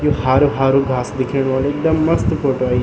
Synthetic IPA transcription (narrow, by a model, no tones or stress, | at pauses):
johaːɾoɦaːɾuɡʱaːsd̪ɪkʰəɽ̃ʋaːleːk̚d̪əmːɐst̪poːʈoai